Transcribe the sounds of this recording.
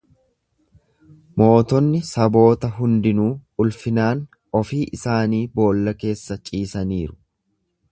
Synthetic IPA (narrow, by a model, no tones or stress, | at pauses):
mo̞ːt̪ɔnːɪsɐbo̞ːt̪ɐɦʊnd̪ɪnuːʊlfɪnaːn | ɔfiːʔɪsaːniːbo̞ːlːɐke̞ːsːɐt͡ʃʼiːsɐniːɾʊ̥